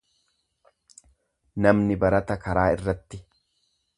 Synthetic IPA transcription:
nɐmnɪbɐɾɐt̪ɐkɐɾaːɪrːɐt̪ːɪ

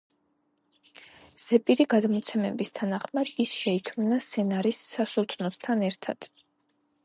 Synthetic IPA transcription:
z̥ɛpʼiɾiɡad̪mɔt̪sʰɛmɛbist̪ʰanaχmad̪̥isʃɛikʰmnasɛnaɾisːasut̪ʰnɔst̪ʰanɛɾt̪ʰa̰d̪̥

